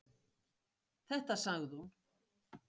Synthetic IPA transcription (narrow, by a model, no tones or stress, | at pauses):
θɛht̪asaɣðun